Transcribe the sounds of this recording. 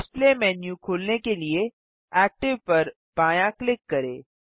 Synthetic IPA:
ɪsplemɛːnjũkʰoːlnekelie | ɛːk̚ʈɪʋpɐɾ | paːjãklɪkːɐɾḛː

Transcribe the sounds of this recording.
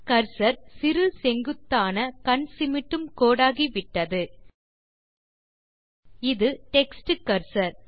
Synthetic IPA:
kɐɾsɐɾsɪɾɯsɛŋɡɯt̪ːaːnɐkɐɳsɪmɪʈːɯmkoːɽaːɣiʋɪʈːɐðɯ | ɪðɯʈɛksʈɯkːɐɾsɐɾ

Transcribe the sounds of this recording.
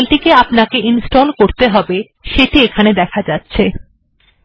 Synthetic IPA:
lʈikeapnakeʔinsʈolkoɾt̪eɦɔbe | ʃeʈiekʰaned̪ɛkʰad͡ʑatːɕʰe

